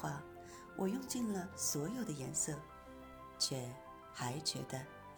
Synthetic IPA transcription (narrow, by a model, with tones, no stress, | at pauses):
wa˥˩ | wʔɔ˨˩jʊ˥˧ŋt͡ɕi˥˩nlə˨swɔ˧˥jo˨˩ʊd̪ə˦jɛ˧˥nsɤ˥˩ | t͡ɕʰjɛ˨˩ | xa˧˥ɪt͡ɕɥɛ̰˧˥d̪ə˧